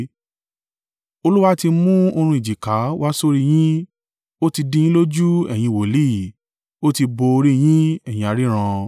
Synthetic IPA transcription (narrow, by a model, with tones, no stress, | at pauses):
o˧lu˦wa˦ti˧mũ˦o˧ɾ̃ũ˧i˨d͡ʒi˨ka˨˦wa˦so˦ɾi˦˧j̃ĩ˦ | o˦ti˧dĩ˧j̃ĩ˦lo˦d͡ʒu˦ɛ̰˨j̃ĩ˧wo˨li˦˨ | o˦ti˧bo˧ɾi˦j̃ĩ˦ɛ˨j̃ĩ˧a˨˧ɾi˦ɾ̃ã˧